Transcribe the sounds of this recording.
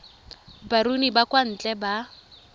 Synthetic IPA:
baɾunibakʼwan̩t͡ɬʼɛba

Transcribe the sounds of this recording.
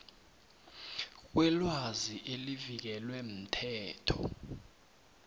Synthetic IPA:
k̬wʔɛlwaziʔelivik̬ɛlwɛm̩tʰɛːtʰɔ̰

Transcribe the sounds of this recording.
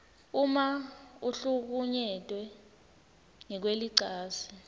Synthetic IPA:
umauɬuk̬uɲɛtʼwɛ | ŋɛk̬weliǀaːsi̥

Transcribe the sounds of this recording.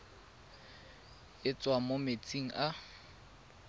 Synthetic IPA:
ɪt͡sʼwamomet͡sʼiŋ̩ʔa

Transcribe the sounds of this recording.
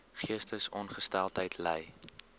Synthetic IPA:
χiəstəsɔnχəstælˠtɦəjtʰlɛ̰j

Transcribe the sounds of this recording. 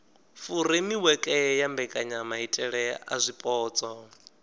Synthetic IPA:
fuɾimiwɛkʼɛjambɛkʼaɲamaɦitʼɛɺɛa̰zʷipʼɔːt͡sʼɔ

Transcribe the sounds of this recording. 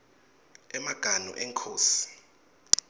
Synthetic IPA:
ɛmaɡ̥ʱanɔ̰ʔɛŋkʰoːsi̥

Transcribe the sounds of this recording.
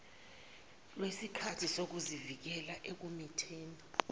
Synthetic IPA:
lwesikʰatʰisok̬uzivik̬ɛlaʔek̬umitʰeːnɔ

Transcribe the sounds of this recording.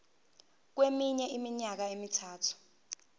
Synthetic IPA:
k̬wemiɲɛimiɲak̬aemitʰaːtʰu̥

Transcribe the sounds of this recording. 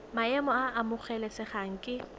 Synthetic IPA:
maɛmɔaʔːmʊk͡xʰɛlɛsɪχaŋ̩kʼɪ

